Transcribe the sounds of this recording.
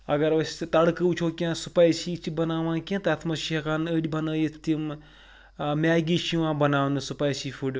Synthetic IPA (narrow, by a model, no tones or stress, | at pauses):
ɐɡɐɾʋɐsʲt̪ɐɽkɨut͡ʃʰoːkʲãːsu̥paːjsiːt͡ʃibɐnaːʋãːkʲẽt̪ɐt̪ʰmɐʃiɐkaːnəɽʲibɐnaːjɐt̪im | mʲaːɡiʃiʋãːbɐnaːwnɨsupaːjsifuɖʲ